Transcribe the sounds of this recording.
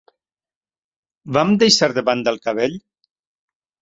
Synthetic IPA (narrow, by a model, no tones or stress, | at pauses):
bamd̪ejʃaɾðəβand̪əlˠkaβeʎ